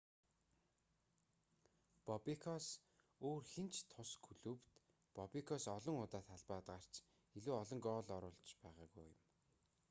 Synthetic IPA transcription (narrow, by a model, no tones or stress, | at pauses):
pɔpikʰɔs | oːrxent͡ɕʰt̪ʰʊskʰɵɮuːpt̪ | pɔpikʰɔsɔɮɞ̆ŋʊt̪aːt̪ʰaɮpaːt̪ɢar̥t͡ɕ | iɮuːɔɮɞ̆ŋkɔːɮɔɾʊːɮt͡ɕpæːʁa̰ːɣuj̰jʊ̰̆m